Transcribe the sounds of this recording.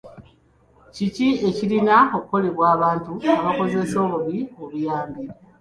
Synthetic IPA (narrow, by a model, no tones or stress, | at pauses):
cicie̞cilinaokuko̞le̞βwaːβaːntuaβako̞ze̞so̞ːβuβioβujaːmbiɾa